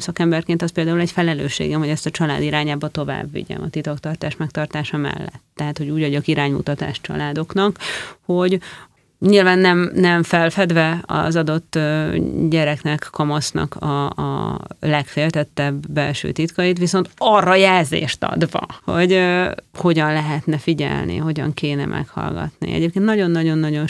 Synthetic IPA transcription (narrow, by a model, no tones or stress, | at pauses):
sɒkɛmbɛrkeːnt̪ɒspeːld̪aːulɛɟfɛlɛlø̰ːʃːḛːɡɛmɦo̞ɟɛst̪ɒt͡ʃɒla̰ːd̪iɾaːɲaːbɒt̪o̞va̰ːbːḭɟɛ̰mɒ̰t̪it̪okt̪ɒrt̪aːʃmɛk̚t̪ɒrt̪aːʃɒmɛ̰lːɛ̰t̪ːɛɦaːt̪ho̞ɟuːɟʋɒɟokiɾaːɲmṵt̪ɒt̪a̰ːʃt͡ʃɒ̰laːd̪o̞knɒkho̞ɟ | ɲilvaːnːɛmnɛɱfɛlfɛd̪vɛɒ̰zɒd̪o̞t̪ːøɟɛɾɛknɛkːɒmosnɒ̰kʰɒ̰ | lɛkfeːlt̪ɛt̪ːɛbːɛlʃø̰ːt̪it̪kɒjit̪ʋiso̞nt̪ɒrːɒjɛlzḛːʃt̪ɒ̰d̪vɒ̰ho̞ɟøho̞ɟɒnlɛɦɛt̪nɛfiɟɛ̰lnḭɦo̞ɟɒ̰ŋkeːnɛ̰mʔɛ̰khɒ̰lɡɒ̰t̪nḭɛ̰ɟeːp̚keːnt̪nɒɟo̞nːɒɟo̞nːɒɟo̞n